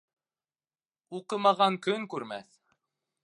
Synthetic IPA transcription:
uqɤmɑʁɑŋkɵŋkʉɾmæθ

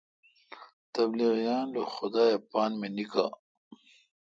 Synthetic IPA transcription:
t̪ɐbliɣjɑːnloxʊd̪aːjapɑːnmenika̰

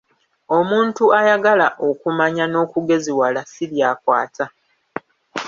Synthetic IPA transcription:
o̞muːntuajaɡalaʔo̞kumaɲano̞ːkuɡe̞ziwalasiljaːkwa̰ːta

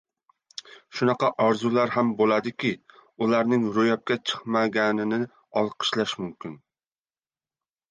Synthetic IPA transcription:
ʃunɑqɑʔɑɾzulˠæɾhɛmbolˠɑd̪ɪkʲiulˠæɾnɪŋɾojɑp̚kʲɛt͡ʃʰə̥χmɛɡʲɛnɪnɪ | ɑlˠqʰə̥ʃlɑʃmumkʲɪn

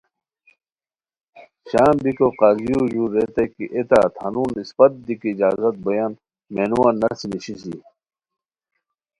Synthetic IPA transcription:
ɕaːmbikoqaːzijud͡ʑuːɾet̪ɐkiʔet̪aːt̪ʰɐnuːnispɐt̪̚d̪ikiːd͡ʑaːzɐt̪̚bɐjaːn | meːnuwaːnːɐsimiɕisi

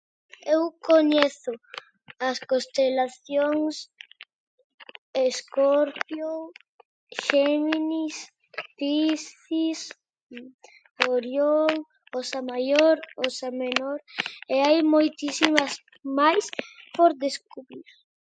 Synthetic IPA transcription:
ewkoɲeθʊ | askost̪elaθjoŋs | eskoɾpjo | ʃeminis | t̪isθis | oɾjoŋ | osamajoɾosamenoɾeajmojt̪isimas | majspoɾd̪eskuβɾiɾ

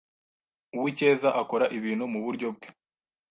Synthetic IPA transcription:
uwice̞ːzaʔako̞ɾaʔiβiːn̤humuβuɾɟo̞b̚ɡe̥

